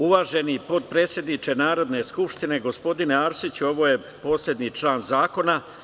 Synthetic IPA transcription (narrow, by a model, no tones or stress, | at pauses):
uʋaːʒe̞nipo̞t̪̚pɾe̞ːt̪sje̞d̪nit͡ʃe̞naːɾo̞d̪ne̞skupʂt̪ine̞ɡo̞spo̞d̪ineaːɾsit͡ɕuo̞ʋo̞je̞ | po̞ːslʲe̞d̪nit͡ʃlaːnzaːko̞na